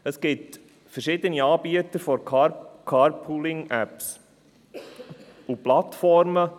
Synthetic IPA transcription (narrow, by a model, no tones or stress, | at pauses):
əsɡ̥ɪt | fəɾʃɪd̪əniɑːbiət̪əɾfɔɾʰkʰɑɾpʰulɪŋæps | uplɑtfɔɾmə